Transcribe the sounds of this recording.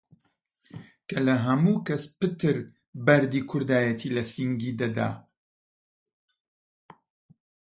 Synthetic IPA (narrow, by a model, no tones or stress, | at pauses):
kʰɐlɐɦɐmuːkɐspɨt̪ɨɾ | bɐɾd̪iːkʰʊɾd̪aːjɐt̪ʰiːlɐsiŋɡiːd̪ɐd̪a̰ː